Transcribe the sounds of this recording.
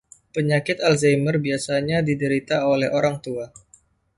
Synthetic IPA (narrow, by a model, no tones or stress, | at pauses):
pəɲakɪt̪alzajmərbiasaɲadidəɾit̪aolɛhoɾaŋt̪ua